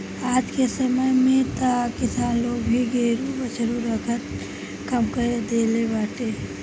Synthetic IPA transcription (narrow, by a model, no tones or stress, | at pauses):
aːd͡ʒkesəməjmẽt̪akɪsaːnloɡbʱiɡeɾubət͡ʃʰəɾuɾəkʰət̪ | kəmkəɾed̪elebaːʈe